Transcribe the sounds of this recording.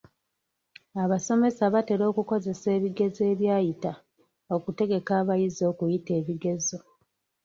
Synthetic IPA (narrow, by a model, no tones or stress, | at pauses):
aβaso̞me̞saβate̞ɾo̞ːkuko̞ze̞se̞ːβiɡe̞ze̞ːβjaːjita | o̞kute̞ɡe̞kaːβajizo̞ːkujite̞ːβiɡe̞zo̞